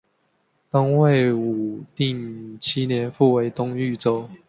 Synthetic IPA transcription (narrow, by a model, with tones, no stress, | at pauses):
t̪ʊ˦ŋwe˥˨ɪu˨˩t̪i˥˩ŋt͡ɕʰi˦njɛ˨˦nfu˥˨we˨˦ɪt̪ʊ˥˦ŋy˥˨t͡so˦ʊ